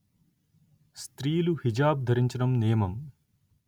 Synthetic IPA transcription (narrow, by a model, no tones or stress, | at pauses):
st̪ɾiːluhid͡ʒaːb̚d̪ʱɐɾiɲt͡ʃɐɖɐmnijɐmɐm